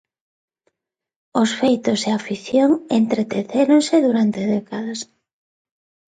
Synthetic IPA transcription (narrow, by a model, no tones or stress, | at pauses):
ʊsfejt̪ʊseafiθjoŋent̪ɾet̪eθeɾoŋseðuɾant̪eðɛkaðas